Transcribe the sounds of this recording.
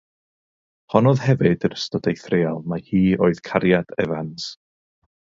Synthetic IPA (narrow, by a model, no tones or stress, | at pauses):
hɔnɔðhɛvɨdəɾəstɔd̥ejθrealˠmahiːoːɨð̥kʰaɾjadɛvans